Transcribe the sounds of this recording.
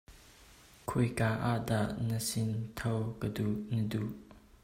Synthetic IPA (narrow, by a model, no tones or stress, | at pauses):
kʰujkaʔaʔdaʔnəsɪnt̪ʰowkəduʔnəduʔ